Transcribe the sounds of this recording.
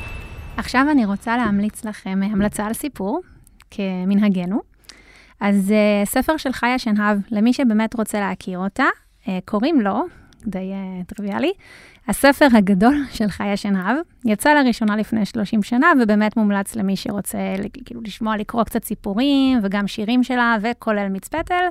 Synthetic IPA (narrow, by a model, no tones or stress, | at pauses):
aχʃavaniʁo̞t͡salehamlit͡slaχe̞mamlat͡saːlsipʰuʁ | kʰeminɦaɡe̞nu | ʔazesefe̞ʁʃe̞lχajaʃenɦavlemiʃebe̞ːme̞tʁot͡seleakʰiʁo̞ta | ekʰo̞ʁimlo̞ | kdejetʁiviali | hasefeʁɦaɡado̞lʃe̞lχajaʃenɦav | jat͡saleʁiʃo̞nalifnejʃlo̞ʃimʃanavebeːmetmumlat͡slemiʃḛʁo̞t͡selkḭːluliʃmoalikʁo̞kt͡satsipuʁimveɡamʃiʁimʃe̞lavekʰo̞le̞lmit͡spetel